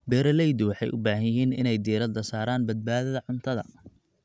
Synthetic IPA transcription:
bɛːɾɐlɛjd̪ʊwɑħɑjʔʊbaːɦɐjɦiːnɪ̰nɛjd̪iːɾɐd̪ɐsaːɾaːnbɐd̪̚baːðɐðɐʕʊnt̪ʰɐðɐ̰

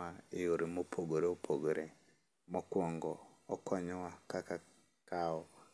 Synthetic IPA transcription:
aejoɾimopʰoɡoɾeopʰoɡoɾe | mɔkwɔŋɡɔː | kʰɔɲɔwakaka | kaɔ

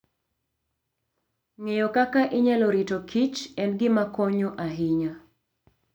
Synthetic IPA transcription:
ŋejokakaʔɪɲɛloɾitokʰit͡ʃɛnɡɪmakɔɲoʔaɦiɲa

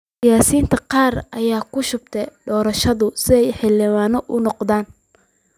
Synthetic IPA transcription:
sɪjaːsiːnt̪ʰɐqɑːrʔɐjaːkʰʊʃʊb̚t̪ʰɛɖɔːɾɐʃɐðʊsɪɛjħɪlɪwaːnɔʔʊnɔqðaːn

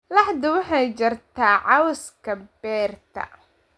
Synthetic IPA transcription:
lɑħd̪ʊwɑħɑjt͡ʃɪrt̪ʰaːʕɑwskʰɐbɛːrt̪ʰɐ̰

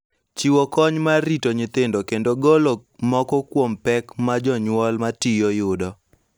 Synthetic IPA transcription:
t͡ʃiwɔkɔɲmaɾitoɲɪt̪ɪndokendoɡolomɔkɔkwompɛkmad͡ʒɔɲwɔlmatijojʊdɔ

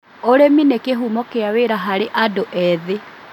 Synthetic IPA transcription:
oɾeminekeɦuːmɔkeaweːɾaɦaɾeʔadoʔɛðe

